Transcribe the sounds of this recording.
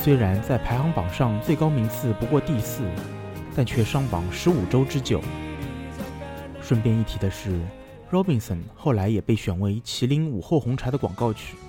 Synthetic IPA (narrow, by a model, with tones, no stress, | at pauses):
swe˥ɪɻa˧˥nt͡sa˥˩ɪpʰa˧˥ɪxɑ˧˥ŋpɑ˨˩ŋʂɑ˥˧ŋt͡swe˥˩ɪkɑ˥ʊmi˧˥ŋt͡sʰɹ̩˥˩pu˧˥kwɔ˥˧t̪i˥˧sɹ̩˥˩ | t̪a˥˧nt͡ɕʰɥɛ˥˩ʂɑ˥ŋpɑ˨˩ŋʂɻ̩˧˥u˨˩ʈ͡ʂo˥ʊʈ͡ʂɻ̩˥t͡ɕjo˨˩ʊ | ʂwə˥˧npjɛ˥˧ni˥˩t̪ʰi˧˥d̪ə˧ʂɻ̩˥˩ | ɻɔ˥pi˥˩ŋsə˨˩nxo˥˩ʊla˧˥ɪjɛ˨˩pe˥˩ɪɕɥɛ˨˩nwe˧˥ɪt͡ɕʰi˧˥li˧˥ŋu˨˩xo˥˩ʊxʊ˧˥ŋʈ͡ʂʰa˧˥d̪ə˧kwɑ̰˨˩ŋkɑ˥˧˩ʊt͡ɕʰy̥˥˩